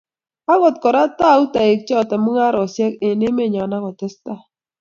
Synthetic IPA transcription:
a˦ɣɔ˨t̚kɔ˨ɾa˦ta˦˨˦u˦ta˨e˨k̚t͡ʃɛ˦ɔ˨tɛ˨mu˦ŋa˦ɾɔ˨sɛ˦ke˨ne˦me˦˨ɲa˨na˦ɣɔ˨tɛ˦sta˦˨

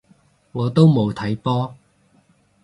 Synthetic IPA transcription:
ŋɔː˨˧t̪o˥wmo˨˧wt̪ʰɐ˨˥jpɔː˥

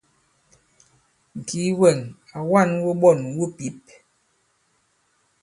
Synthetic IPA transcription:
ŋ̩˨ki˨˦wɛ˨ŋa˨wa˦˨nwo˦ɓɔ˦˨nwu˦pi˨˦p̚

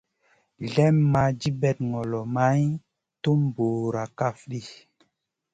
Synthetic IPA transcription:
ɮɛ˦mːa˨d͡ʒi˦bɛ˨t̚ŋɔ˨lɔ˨ma˦j | to˦mbo˨ɾa˨ka˦fɗi˦

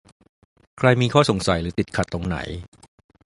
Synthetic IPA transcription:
kʰɾa˧jmiː˧kʰɔː˥˩so˩˦ŋsa˨˦jɾɯː˩˦˥t̪i˨˩t̪̚kʰa˨˩t̪ːo˧ŋna̰˩˦j

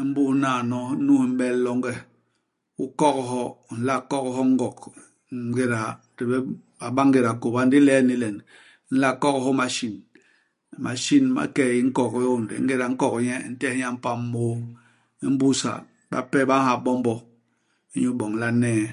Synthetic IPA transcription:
m̩˦bu˦naː˨nɔ˦nu˦hm̩˦bɛ˦llɔ˦ŋ˦ɡɛ˦ | u˦kɔ˦kɦɔ˦˨n̩˨˦la˦kɔ˦kɦɔ˦ŋ̩˦ɡɔ˨k | ŋ˦ɡe˦ɾa˨te˨bɛ˦ | a˨ba˦ŋɡe˨ɾa˨ko˨ba˦n˦di˦lɛː˦ni˦lɛ˨n˦ | n̩˦la˦kɔ˦khɔ˦ma˨ʃi˨n˨ | ma̰˨ʃi˦nma̰˨kɛ˦˨ji˦ŋ̩˦kɔ˦˨ki˦o˦n˨dḭ˨˦ŋ̩˦ɡe˦ɾa˨ŋ̩˦kɔ˨kɲɛ˦˨n̩˦tɛ˦hɲa˦m̩˦pa˦m˦mo˦ | i˦m̩˦bu˦sa̰˨ | ba̰˦pɛ˦ba˦a˨bɔ˦m˦bɔ˦ | i˦ɲu˦bɔ˨ŋ̩˨la˦nɛː˦˨

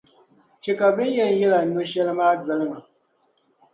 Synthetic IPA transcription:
t͡ʃi˨ka˨bɪ˦n˦jɛ˦n˨jɪ˦la˨no˦ʃɛ˦lmaː˦d͡zɪ˦lma˨

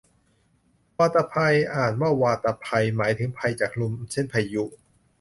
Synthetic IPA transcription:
waː˧t̪a˧pʰa˧jʔaː˨˩nwaː˥˩waː˧t̪a˧pʰa˧jmaː˩˦jt̪ʰɯ˩˦ŋpʰa˧jt͡ɕaː˨˩k̚lu˧mt͡ɕʰe˥˩npʰa˧jju˦˥

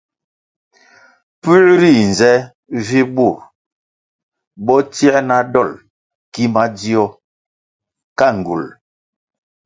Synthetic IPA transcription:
pʉ˦lɾi˦˨n˨zɛ˦ | vi˦bu˦˨ɾ | bɔ˦ti˦ɛ˦na˦dɔ˦˨l | ki˦ma˦di˦ɔ˦ | ka˦ŋ̩˨ɡṵ˨l

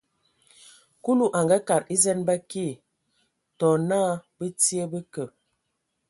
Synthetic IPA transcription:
ku˦lu˦ʔa˨ŋɡa˦ka˨ɾi˦zɛ˦nba˦ki˦˨ | tɔ˨naː˦bə˦ti˦ə˦bə˦kə˨

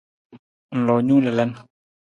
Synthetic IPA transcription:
lɔ˨ɲu˦lɛ˨lɛ˦˨n

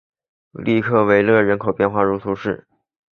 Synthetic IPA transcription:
li˥˧kʰɤ˥˩we˧˥ɪlɤ˥˩ɻə˧˥nkʰo˨˩ʊpjɛ˥˧nxwa˥˩ɻu˧˥t̪ʰu˧˥ʂɻ̩˥˩

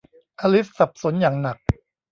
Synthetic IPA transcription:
ʔaː˧li˦˥ssa˨˩p̚so˨˩˦njaː˨˩ŋna˨˩k̚

